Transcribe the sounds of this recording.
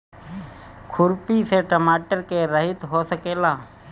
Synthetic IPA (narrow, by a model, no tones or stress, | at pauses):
kʰʊɾpiseʈəmaːʈəɾkeɾəɦɪt̪ɦosəkeːlaː